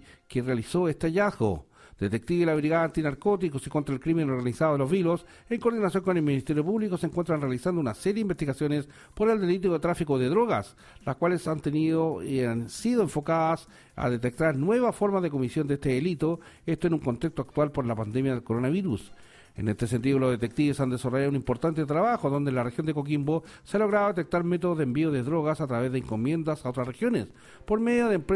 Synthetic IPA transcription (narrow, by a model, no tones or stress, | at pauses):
kerealisoest̪eaʝazɣo̰ | d̪̥et̪e̞k̚t̪iβelaβɾiɣaðaːnt̪inaɾko̞t̪ikosiko̞nt̪ɾaelkɾimenoɾɣanisaðoðelozβilos | eŋko̞ɾðinasjo̞ŋkone̞lminist̪eɾjopuβlikoseŋkwent̪ɾanrealisand̪ounaseɾjimbest̪iɣasjo̞nes | poɾe̞ld̪elit̪̬oðet̪ɾafikoðeðɾoɣas | laskwalesant̪enionsiðoeɱfo̞kaðas | a̰ðet̪ek̚t̪aɾnwe̞βafo̞ɾmaðe̞k̬omisjond̪est̪eðelit̪oest̪oenuŋko̞nt̪ekst̪oak̚t̪walpoɾlapand̪emjaðelkoɾonaβiɾus | ḛnest̪esent̪̬iðoloðe̞t̪ek̚t̪iβesand̪esaraʝaðunimpo̞ɾt̪ant̪et̪ɾaβaxoðo̞nd̪elarexjo̞nd̪ekok̬imbo | sealo̞ɣɾaðoðet̪ek̚t̪aɾmet̪oðoðembioðeðɾoɣasat̪ɾaβe̞zðeiŋkomje̞nd̪asao̞t̪ɾasrexjo̞nes | po̞ɾmeðjoðeːmpe